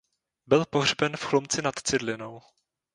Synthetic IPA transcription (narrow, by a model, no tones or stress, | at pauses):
bɪlpoɦr̝bɛnfxlomt͡sɪnat̪t͡sɪdlɪnow